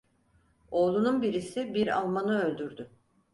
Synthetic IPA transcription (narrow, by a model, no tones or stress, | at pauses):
o̞ːlˠununbiɾisibiɾa̰lˠmanɯø̞lʲd̪yɾd̪y